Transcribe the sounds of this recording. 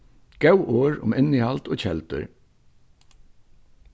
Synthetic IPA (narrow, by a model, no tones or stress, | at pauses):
ɡ̥ɛwʔoːɹʊ̰mɪnːɪhalt̪oːt͡ɕʰɛlt̪ʏ̰ɹ